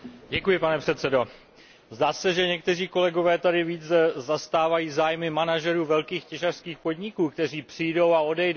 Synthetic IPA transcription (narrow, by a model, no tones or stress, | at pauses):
ɟɛkujɪpanɛpr̝̥ɛt̪t͡sɛdo̞ | zdaːsɛʒɛɲɛk̚t̪ɛriːko̞lɛɡo̞vɛːt̪adɪviːt͡sɛzast̪aːvajiːzaːjmɪmanaʒɛɾuːvɛlkiːxcɛʒar̥skiːxpo̞dɲɪkuːk̚t̪ɛr̝iːpr̝̥ijdo̞wao̞dɛjd